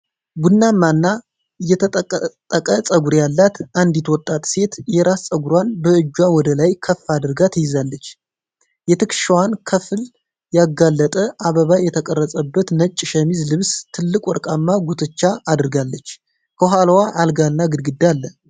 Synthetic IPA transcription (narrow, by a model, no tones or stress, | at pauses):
ɡunːamːanːa | ɨjɛt̪ʰət̪ʼt̪ʼːəkʼəsʼəɡuɾjalːat̪ʔand̪it̪wɔt̪ʼːat̪ʼse̞t̪jɛɾast͡sʼəɡuɾwanbəɨd͡ʒːwawɔd̪əlajkʰəfːad̪ɨɾɡat̪ʰjɪzalːət͡ʃː | jɛt̪ʰɨkʃwankʰəfl | jaɡalːət̪ʼəʔaβəβajɛt̪ʰəkʼərːəsʼəbːət̪nət͡ʃʼːɪʃəmizlɨβst̪ʰɨlːɨkʼwɔɾkʼamːaɡut̪ʰɨt͡ʃːaːd̪ɨɾɡalːət͡ʃː | kʰəɦalwaʔalɡanːaɡɨd̪ɡɨd̪alːə